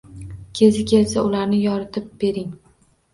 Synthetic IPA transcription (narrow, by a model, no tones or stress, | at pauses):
kʲʰe̞zɪkʲʰe̞lsaʊlaɾnɪjɒɾɪt̪ʰɪp̚be̞ɾɪŋ